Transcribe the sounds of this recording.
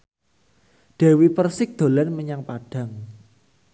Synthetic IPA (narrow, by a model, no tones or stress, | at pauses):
ɖ̥e̤wipərsɪk̚d̪̥o̤lanməɲaŋpaɖ̥a̤ŋ